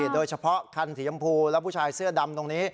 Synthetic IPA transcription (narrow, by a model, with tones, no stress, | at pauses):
t̪̚doː˧jt͡ɕʰa˧pʰɔ˦˥ʔkʰa˧nsʰiː˩˦˥a˧mpʰuː˧lɛ˦˥pʰuː˥˩t͡ɕʰaː˧jsɯ˥˩ɐda˧mt̪o˧ŋniː˦˥